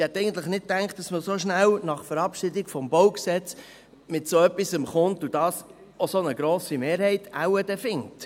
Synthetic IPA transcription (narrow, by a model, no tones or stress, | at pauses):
ɪhɛt̪ːɛɪɡən̩tləχnɪt̚tːæŋktd̥ɑsməsoʃnælnɑχfəɾɑpʃɪdɪɡ̥fɔmbowksɛt͡s | mɪtsoœpːisəmχʊntud̥ɑːs | osonəɡɾoːsimeːɾhɛɪtawəd̥ɛfɪŋt